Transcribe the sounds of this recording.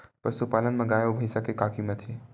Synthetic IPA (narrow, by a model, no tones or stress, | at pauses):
pəɾsupaːlənmẽɡajobʱəjsakekakʰimet̪ʰe